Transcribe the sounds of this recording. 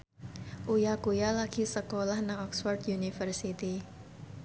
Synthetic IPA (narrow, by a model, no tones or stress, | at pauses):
ʔujakujalaɡ̥isəkolahnaŋɔksfɔrd̪junifərsit̪i